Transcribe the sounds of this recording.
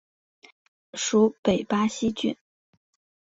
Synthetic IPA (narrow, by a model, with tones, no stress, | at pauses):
ʂu˧˥pe˨˩ɪpa˥ɕi˥t͡ɕy̰˥˩n